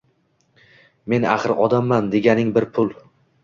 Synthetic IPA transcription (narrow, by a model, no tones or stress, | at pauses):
me̞na̰χɨɾɒd̪amːand̪e̞ɡʲanɪŋbɪɾpʰʊlˠ